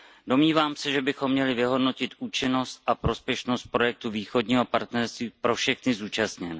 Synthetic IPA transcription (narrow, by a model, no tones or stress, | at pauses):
do̞mɲiːvaːmsɛʒɛbɪxo̞mːɲɛlɪvɪɦo̞dno̞cɪt̪ʔuːt͡ʃɪno̞st̪̚ʔapɾo̞spjɛʃno̞st̪̚pɾo̞jɛk̚t̪uviːxo̞dɲiːɦopaɾt̪nɛɾst̪viːpɾo̞fʃɛxnɪzuːt͡ʃast̪ɲɛnɛ